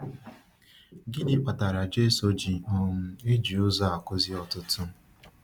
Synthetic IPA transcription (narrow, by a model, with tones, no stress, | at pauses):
ɡɪ˦nɪ˦k͡pa˨ta˨ɾa˨d͡ʒe˦so˦d͡ʒi˨ɔ˦ŋ̩˦e˦d͡ʒi˨ʊ˦za˦a˨kʊ˦zi˦ɔ˨tʊ˦tʊ˦